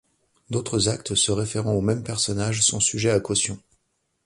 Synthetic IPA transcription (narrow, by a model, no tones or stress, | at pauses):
d̪ot̪χəzak̚t̪səʁefeʁɑ̃omɛmpɛʁsɔnaʒsɔ̃syʒɛakɔsjɔ̃